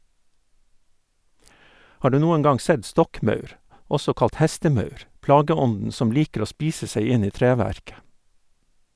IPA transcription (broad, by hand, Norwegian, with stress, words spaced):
ˈhɑː ˈɖʉː ˈnuːəŋ ˈɡɑŋ ˈsɛd ˈstɔkˌmœʉɾ ˈɔsɔ ˈkɑlt ˈhæstəˌmœʉɾ ˈplɑːɡəˌɔndn̩ ˈsɔm ˈliːkəɾ ˈoː ˈspiːsə ˈsæɪ ˈɪn ˈiː ˈtɾeːˌʋæɾkə